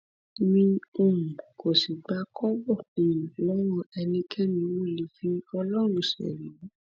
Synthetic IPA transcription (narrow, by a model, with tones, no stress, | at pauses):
mĩ˧o˦˨mũ˨ko˨si˨ɡ͡ba˨˧˦kɔ˦bɔ˦˨o˨mũ˨lɔ˦w̃ɔ̃˦ɛ˧nĩ˧kʰɛ˦mĩ˧wo˦˨li˨˦fĩ˦ɔ˧lɔ˦ɾ̃ũ˦˨ʃɛ̰˨ɾi˨mũ˨˦